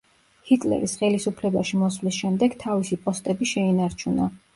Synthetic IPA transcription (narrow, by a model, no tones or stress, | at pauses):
hit̪ʼlɛ̰ɾisχɛlisupʰlɛbaʃimɔswlisʃɛmd̪ɛɡt̪ʰavisipʼɔst̪ʼɛbiʃɛinaɾt͡ʃʰuna